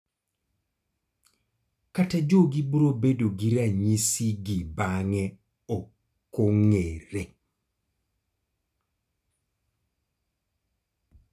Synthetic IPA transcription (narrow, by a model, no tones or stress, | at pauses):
katad͡ʒoɡibuɾobedoɡiɾaɲisiɡibaŋɛ | ɔ | koŋeɾe